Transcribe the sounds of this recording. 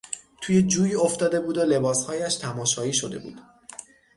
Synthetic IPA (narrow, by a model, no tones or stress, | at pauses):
t̪ʰuːje̞d͡ʒuːjoft̪ɒːd̪e̞buːd̪ole̞bɒːshɒːjæʃt̪ʰæmɒːʃɒːiːʃo̞d̪e̞̰bṵːd̪̥